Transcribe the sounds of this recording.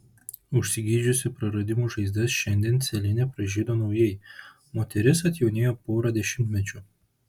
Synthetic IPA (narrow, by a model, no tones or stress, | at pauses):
ʊʃʲsʲɪɡʲiːd͡ʒʲʊsʲɪpɾɐɾɐd̪ʲɪmuːʒɐɪzd̪ɐsʃʲɛnʲd̪ʲiːnt̪sʲɛlʲɪnʲɛpɾɐʒʲeːd̪oːnɒʊjɛɪ | moːt̪ʲɛɾʲɪs̬ɐt̪ʲjɛʊnʲeːjoːpoːɾɐd̪ʲɛʃʲɪmʲt̪ʲmʲɛt͡ʃʲʊ